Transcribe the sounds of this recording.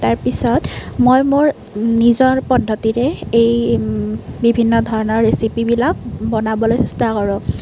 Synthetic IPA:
taɹpisɔtmojmoɹ | nizɔɹpɔdʱːɔtiɹɛej | bibʱinːɔdʱɔɹɔnɔɹːesipibilak̚bɔnabɔlojsɛstakɔɹʊ̃

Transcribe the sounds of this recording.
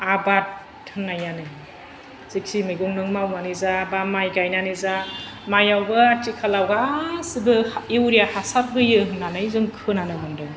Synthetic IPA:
aba | tʰɯnːajanɯ | z̥ik̚simɯjɡɔŋnɯŋmawmanizabamajɡajnanizamajawbɯatikʰalawɡasibɯiwɾijahasap̚ɦɯjɯɦɯnanɯjzɯŋkʰɯnanɯmandɯ

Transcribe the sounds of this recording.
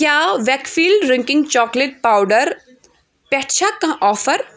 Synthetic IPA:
kjaːʋɛːkfiːlɖɾɪ̃ŋkɪ̃ŋɡt͡ʃɔːkleʈ̚paːwɖəɾ | pɛʈt͡ʃʰakːãʔɔːfəɾ

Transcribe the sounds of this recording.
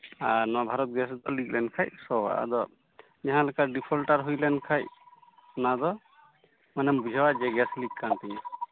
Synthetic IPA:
aɾnɔwabʱaɾɔt̪̚ɡɛsd̪ɔlik̚lɛnkʰajsɔwa̰ʔa̰d̪ɔ | ɲaɦãlɛkaɖipʰɔlʈaɾɦujlɛnkʰajɔnad̪ɔ | manɛmbud͡ʒʱawaʔd͡ʒɛɡɛslik̚kant̪ɛɲa

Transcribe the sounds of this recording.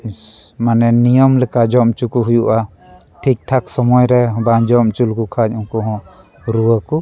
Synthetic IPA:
manɛnijɔmləkad͡ʒɔmt͡ʃukuɦujuʔa | ʈʰik̚ʈʰaksɔmɔjɾɛɦband͡ʒɔmt͡ʃulkukʰac̚ɔŋkɔɦɔ̃ | ɾuwəku

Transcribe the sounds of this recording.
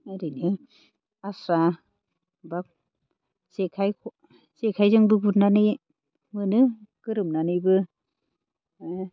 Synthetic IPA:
aɾinɯ | asa | bak̚ | sekʰajkʰɔ | sekʰajzɯŋbɯbut̚nanɯj | mɯnɯkɯɾɯmnanɯjbɯ

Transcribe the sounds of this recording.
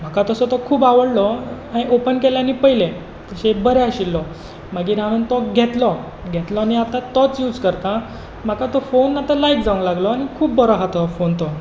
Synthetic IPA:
m̤akat̪əsɔt̪ɔkʰuːbaʋəɽlɔ | ãiʔopənkeljanipəjile | t̪əɕebəɾeaɕilːɔ | məɡiːɾaʋənt̪ɔɡʱet̪lɔ | ɡʱet̪lɔaniat̪at̪ɔt͡sjuːd͡zkəɾt̪a | m̤akat̪ɔfonat̪alaikd͡zaʋəŋɡlaɡlɔañikʰuːbːɔɾɔɦat̪ɔfont̪ɔ

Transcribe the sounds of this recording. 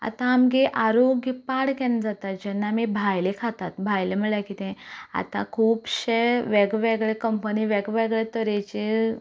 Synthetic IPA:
a̰t̪ãːmɡeʔaɾoɡjəpaɽkɛnd͡zat̪at̪̚d͡ʑɛnːamibʱajlekʰat̪at̪bʱajlem̤əɭjakit̪ẽa̰t̪a̰kʰuːpɕeʋeɡʋeɡɭekəmpəniʋeɡʋɛɡɭɛt̪əɾet͡ɕe

